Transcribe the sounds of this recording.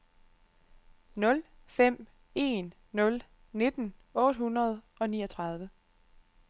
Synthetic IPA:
nɔ̽l | fem̰ | e̝̰ːnː | ɔ̽l | ne̝d̥n̩ɔ̽ːd̥hunʁɐð̞ˠ | ɒ̽niːɒt͡sʰʁɑ̈ð̞ˠʋə

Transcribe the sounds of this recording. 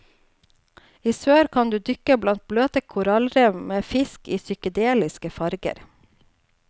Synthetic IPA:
iːsøːɾkʰɑnd̪ʉːd̪ʏkəblɑnt̪̚bløːt̪əkʰʊɾɑlɾɛʋmeːfɪskiːsʏkəd̪eːlɪskəfɑɾɡə̰ɾ

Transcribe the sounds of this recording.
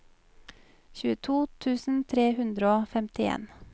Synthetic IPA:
çʉːət̪ʰuːt̪ʰʉːsn̩t̪ʰɾeːhʉnd̪ɾəoːfɛmt̪ɪḛːn

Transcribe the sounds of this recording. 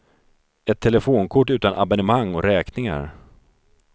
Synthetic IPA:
ɛt̪ʰːɛlɛfoːnkʰʊʈːʉ̟ːt̪anʔa̰bɛnəmaŋːɔɾɛːknɪŋa̰ɾ

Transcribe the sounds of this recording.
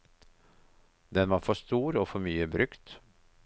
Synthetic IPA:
d̪ɛnʋɑːfɔst̪uːɾoːfɔɾmyːəbɾʉkt̪

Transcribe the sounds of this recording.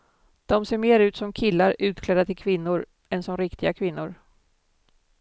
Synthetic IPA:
d̪̥ɔmseːɾmeːɾʉ̟ːt̪sɔmkʰɪlːaɾʉ̟ːt̪kʰlɛd̪at̪ʰɪlkʰvɪnːʊɾ | ɛnsɔmɾɪkt̪ɪɡakʰvɪnːʊɾ

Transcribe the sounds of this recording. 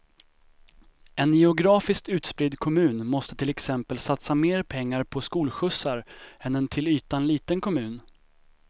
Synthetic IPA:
ɛnjɛʊɡɾɑːfɪsk̚t̪ʉ̟ːt̪spɾɪd̪kʰɔmʉ̟ːnmɔst̪ət̪ʰɪlɛksɛmpəlsat̪sameːɾpʰɛŋːaɾpʰɔskuːlɧɵsːaɾɛnɛnt̪ʰɪlyːt̪anliːt̪ənkʰɔmʉ̟ːn

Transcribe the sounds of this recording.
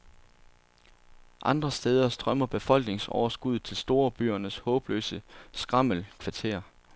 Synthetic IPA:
ʔɑ̈nd̥ʁɐsd̥eːð̞ˠɐsd̥ʁɶmɐb̥e̝fɒ̽l̰ɡ̥ne̝ŋsɒ̰ʊɐsɡ̥uð̰ˠt͡sʰe̝lsd̥o̝ːɐb̥y̰ːɐnəshɔ̽ːb̥lø̰ːsəsɡ̥ʁɑ̈m̰əlkʰʋɑ̈t͡sʰe̝̰ːɐ

